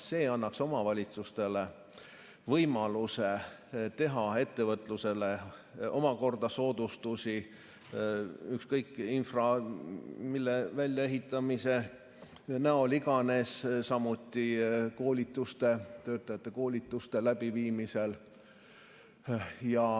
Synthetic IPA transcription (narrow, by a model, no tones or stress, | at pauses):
se̞ːɑnːɑkso̞mɑvɑlʲit̪sust̪e̞le | vɤjmɑluset̪e̞ɦɑe̞t̪ːe̞vɤt̪ˑluse̞leo̞mɑko̞rd̪ɑso̞ːd̪̥ust̪usi | ykskɤjkːˑinfrɑ | milːevælʲjɑe̞ɦit̪ːˑɑmise̞ | næoliɡ̥ɑne̞ssɑmut̪ːˑiko̞ːlʲit̪ːˑust̪e̞t̪ø̞ːt̪ːˑɑjɑt̪ːe̞ko̞ːlʲit̪ːˑust̪e̞læb̥iviːmise̞l | jɑ